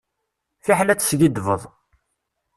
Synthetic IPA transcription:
fiħlæt͡sːsɡid̪vəðˤ

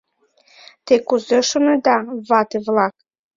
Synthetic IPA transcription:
t̪ekuzeʃonɤd̪ɑβɑt̪evlˠɑk̚

